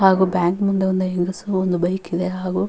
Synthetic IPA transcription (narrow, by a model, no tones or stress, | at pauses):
ɦaːɡubaːŋkmund̪eond̪eeŋɡɐsuond̪ubɐjikːid̪eɦaːɣu